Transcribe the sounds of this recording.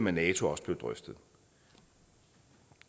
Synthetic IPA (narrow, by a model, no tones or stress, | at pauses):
mænɛːt͡sʰo̝ɒ̽sə̥b̥le̝ʊd̥ʁœfd̥ð̩ˠ